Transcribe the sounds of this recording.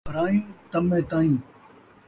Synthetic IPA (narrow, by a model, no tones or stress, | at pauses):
ɾaːjũːt̪əmẽːt̪aːĩː